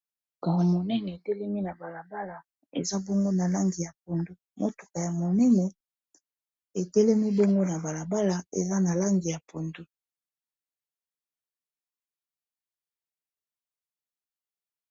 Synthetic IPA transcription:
ɡa˨a˨mo˨nɛ˦nɛ˨e˨tɛ˦lɛ˦mi˦na˨ba˨la˨ba˦la˨ | ḛ˨za˦bo˦ŋɡo˦na˨la˦ŋɡi˨ja˨p̚o˨ndo˦mʔo̰˦tu̥˨ka˨ja˨mo˨nɛ˦nɛ˨ | e˨tɛ˦lɛ˦mi˦bo˦ŋɡo˦na˨ba˨la˨ba˦la˨ḛ˨za˦na˨la˦ŋɡi˨ja˨pʰo˨ndo˦

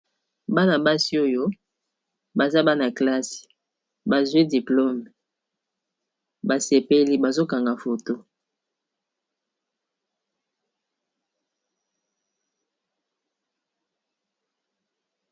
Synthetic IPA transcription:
ba˦na˨ba˦si˦o˦jo˦ | ba˨za˦ba˦na˨kla˦si̥˨ | ba˨zwi˦di˨plo˦m˨ | ba˨se˨pe˦li˦ba˨zo˦ka˨ŋɡa˨fo˨to˦

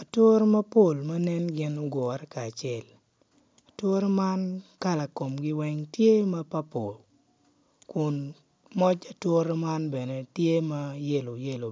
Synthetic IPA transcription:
a˨two˦ɾe˦mɐ˦po˨lmɐ˦nɛ˦nɡɪ˦no˦ɡɔ˨ɾɛ˦kaː˨t͡ʃɛ˨l | a˨two˦ɾe˦ma˦nka˦la˨ko˨mɡɪ˦wɛ˦ŋtje˦mɐ˦pa˦po˨l | kʊ˨n | mɔ˦t͡ʃa˨two˦ɾe˦ma˦nbɛ˨ne˨tje˦ma˦je˦lo˨je˦lo˨

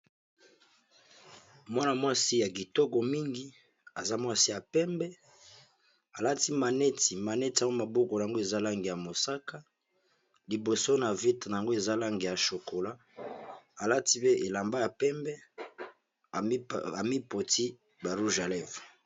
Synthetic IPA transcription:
mwa˦na˨mwa˦si˦ja˨ki˨to˦ko˨mi˦ŋɡi˦ | a˨za˦mwa˦si˦ja˨pɛ˦mbɛ˦ | a˨la˦ti˦ma˨nɛ˦ti˨ma˨nɛ˦ti˨a˨˦o˦ma˨bo˦ko˨a˨a˨ŋɡo˦e˨za˦la˦ŋɡi˨ja˨mo˨sa˦ka˦ | li˨bo˨so˦na˨vi˦tna˨ja˨ŋɡo˦e˨za˦la˦ŋɡi˨ja˨ʃo˨ko˨la˦ | a˨la˦ti˦be˦ʔe˨la˨mba˦ja˨pɛ˦mbɛ˦ | a˨mi˦po˨ti˦ | ba˨ɾu˦ʒa˨lɛ˦v

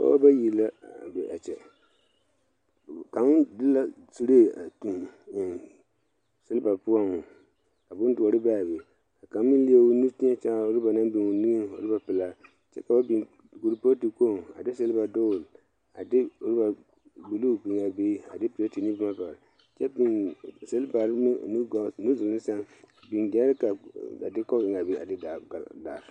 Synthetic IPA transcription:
ka̰˦a̰˦ba˦ji˨la˦˨bɛ˨ʔa̰˨t͡ʃɛ˨ | ka˨m˦dɨ˦la˦ | si˦ɾe˦˨a˨tu˨ | sɨ˦lɨ˦ba˨pu˦a˦ŋʊ˨ | ka˨bʊ˦n˦du˨ɔ˨ɾɨ˦ba˦˨be˨ | ka˨ka˨m˦mi˦n˦li˦e˦ʊ˦nu˦tɪ˦a˦t͡ʃa˦˨o˦ɾɨ˦ba˨na˦m˦bɪ˨ŋu˨ni˦ɨ˦n˨o̰˨ɾɨ˦ba˨pɨ˨la˦ | t͡ʃɛ̰˦ka˨ba˦bi˨ | ɡu˨ɾpo˦ti˨ko˦˨a̰˨dɪ˦se˦lba˨do˦˨l | a̰˨dɪ˦o˦ɾɪ˦ba˨ | bu˨lu˦bi˨ŋa˨beː˦a˨dɪ˦pɪ˨la˦ti˨ni˦bu˦ma˦ba˨ɾ | t͡ʃɛ˦bi˨se˦lba˨ɾn˦nu˦zʊ˨lɨ˦n˦sa˦ŋ˦bi˨nɡa˦ɾka˨a˨dɪ˦kɔ˦ɡɪ˨ŋa˨beː˦ʔa̰˨dɪ˦da˨a˨da˨ɾ

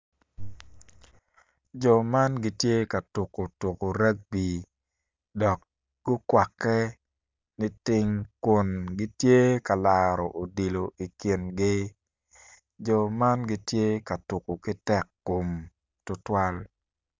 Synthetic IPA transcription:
d͡ʒɔ˨ma˦nɡɪ˦tje˦ka˨tʊ˨ko˨to˨ko˨ɾa˦ɡ̚bi˨ | dɔ˨k̚ | ɡ̥ʊ˦kwa˨kːɛ˦ | nɪ˦tɪ˦ŋkʊ˨nɡɪ˦tje˦ka˨la˨ɾɔ˨ʔo˨di˨lo˨ʔi˨ki˨nɡɪ˦ | d͡ʒɔ˨ma˦nɡɪ˦tje˦ka˨tu˨ko˨kɪ˦tɛ˦kːo˨m | tʊ˦twa˦l

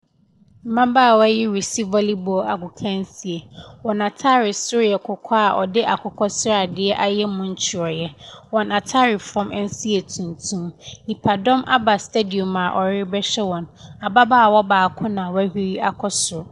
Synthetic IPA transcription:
m̩˨mã˦baː˦˨wa˦jɪ˦ɾi˨si˦vɔ˦li˦bɔ˨a˨ɡʊ˨kʰã˦n˦si˨e˨wɔ̃˨na˨tʰa˦ɾɪ˨sʊ˦ɾjɛ˨kʰʊ˨kʰɔ˦a˨ʔɔ˨dɪ˦ʔa˨kʰɔ˨kʰɔ˦sʊ˦ɾa˨dɪ˨ɛ˦ʔa˦jɛ˦mʊ̃˦ɲ̩˦t͡ɕʰɪ˨ɾɔ˨jɛ˦wɔ̃˨nã˨tʰa˦ɾɪ˨fɔ̃˦mɛ˦n̩˦si˦e˨tʰũ˨ntʰũ˦mnĩ˨pʰa˨dɔ̃˦mʔa̰˦ba˨ste˦di˨o˨mã˨ʔɔ˨ɾɪ˦bɛ˦ɕɛ˦wɔ̃˨na˨ba˦baː˦˨wɔ˦baː˨kʰʊ̃˦nã˨wæ˦hi˦ɾi˦a˨kʰɔ˦sʊ˨ɾʊ˨

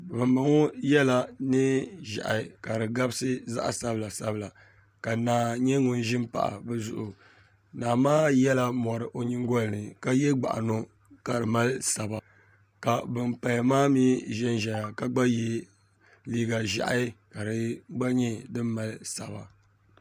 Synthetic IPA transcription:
bɨ˨mba˨ŋo˦jɛ˦la˨nɨ˦ʒa̰˨ʔa̰˨ka˨ɾɨ˨ɡa˦bsɨ˦za̰˦ʔa̰˨sa˦bɨ˨la˨sa˦bɨ˦la˨ | ka˨naː˨ɲɛ˦ŋʊ˦nʒɪ˦mpa̰˨ʔa̰˨bɨ˦zʊ˦ʔʊ˨ | naː˨maː˦jɛ˦la˦mɔ˨ɾɨ˨ʔo˨ɲɪ˦ŋ˦ɡɔ˦lɨ˨nɨ˨ka˦jɛ˦ɡ͡ba̰˨ʔa̰˨no˦ | ka˨ɾɨ˨ma˦lsa˨ba˨ | ka˨bɨ˨mpa˨ja˨maː˦miː˦ʒɛ˦nʒɛ˨ja˨ka˦ɡ͡ba˦jɛ˦ | liː˦ɡa˨ʒa̰˨ʔa̰˦ka˨ɾɨ˨ɡ͡ba˦ɲɛ˦dɨ˦mːa˨lsa˨ba˨

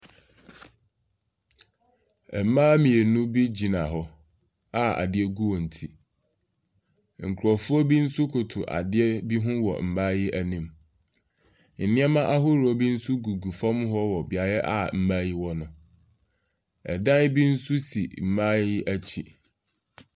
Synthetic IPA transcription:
ɛ˨mã˦mĩ˨e˨nũ˦bi˦d͡ʑi˨nã˨ɦɔ˨ | a˦a̰˨dɪ˦ɛ˦ɡu˦wɔ˨n̩˨tʰi˨ | ŋ̩˨kʰʊ˨ɾɔ˨fʊ˦ɔ˦bi˦n̩˦sʊ˦kʰʊ˨tʰʊ˨ʔa̰˨dɪ˦ɛ˦bi˦ɦʊ̃˦wɔ̰˨m̩˨ma˦jɪ˦ʔæ˦nĩ˨m | n̩˨nɪ̃˦ɛ˦mã˦ʔa˦ɦʊ˦ɾɔ˦bi˦n̩˦sʊ˦ɡu˨ɡu˨fɔ̃˦mɦɔ˦wɔ˨bɪ˨a˨jɛ˦ʔa̰˨m̩˨mã˦ji˦wɔ˦nʊ̃˨ | ɛ̰˨dã˦jbi˦n̩˦sʊ˦sḭ˨m̩˨mã˦jɪ˦æ˦t͡ɕʰi˨

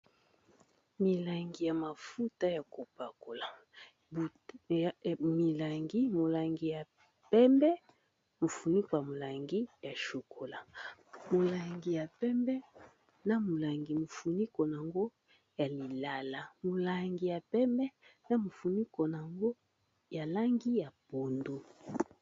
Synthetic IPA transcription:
mi˨la˨ŋɡi˨ja˨ma˨fu˦ta˦ja˨ko˨pa˨ko˨la˨ | b | mi˨la˨ŋɡi˦mo˨la˨ŋɡi˨ja˨ | pɛ˦mbɛ˦ | mo˨fu˨ni˦ko˨ja˨mo˨la˨ŋɡi˦ja˨ʃo˨kʰo˨la˨mo˨la˨ŋɡi˨ja˨pɛ˦mbɛ˦ | na˦mo˨la˨ŋɡi˨mo˨fu˨ni˦ko˨n˨a˨ŋɡo˦ | ja˨li˨la˨la˨mo˨la˨ŋɡi˨ja˨pɛ˦mbɛ˦na˨mo˨fu˨ni˦ko˨n˨a˨ŋɡo˦ | ja˨la˦ŋɡi˦ja˨po˨ndo˨

